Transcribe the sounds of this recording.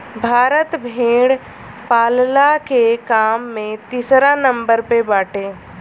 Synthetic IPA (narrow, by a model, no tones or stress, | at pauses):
bʱaːɾət̪bʱeːɽ | paːllakekaːmːẽt̪iːsɾanə̃mbəɾpebaːʈeː